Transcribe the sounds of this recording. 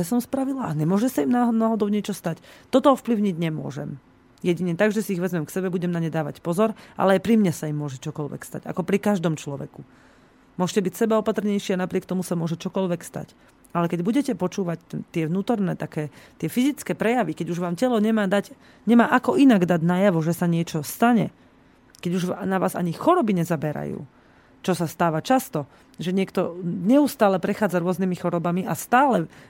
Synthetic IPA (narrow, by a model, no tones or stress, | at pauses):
ɛsɔmspɾaʋilaʔaɲɛmʊɔʒɛsaimnaːɦnaːɦɔd̪ɔʊɲɛt͡ʃɔst̪act̪ɔt̪ɔɔfpliʊɲiɟɲɛmʊɔ̰ʒɛ̰m | jɛɟiɲɛt̪aɡʒɛsiːɣʋɛzmɛmksɛbɛbuɟɛmnaɲɛd̪aːʋa̰cpɔzɔɾʔa̰lɛajpɾimɲɛsaimːʊɔʒɛt͡ʃɔkɔlʋɛ̰kst̪a̰ɟa̰kɔpɾikaʒd̪ɔmt͡ʃlɔʋɛ̰ku | mʊɔʒcɛbicsɛbaɔpat̪r̩ɲɛjʃɪanapɾɪɛk̚t̪ɔmusamʊɔʒɛt͡ʃɔkɔlʋɛkst̪a̰c | alɛkɛɟbuɟɛcɛpɔt͡ʃuːʋac̚t̪t̪ɪɛʋnuːt̪ɔɾnɛːt̪akɛːt̪ɪɛfizit͡skɛːpɾɛjaʋikɛɟuʒʋaːmcɛlɔɲɛmaːd̪ac | ɲɛmaːʔakɔʔinaɡd̪aɟnajaʋɔʒɛsaɲɪɛt͡ʃɔst̪aɲɛ | kɛɟuʒnaʋaːza̰ɲixɔɾɔbiɲɛzabɛɾa̰jṵː | t͡ʃɔsast̪aːʋat͡ʃast̪ɔ | ʒɛɲɪɛkt̪ɔɲɛust̪aːlɛpɾɛxaːd͡zaɾʊɔznimixɔɾɔbamiʔast̪aːlɛ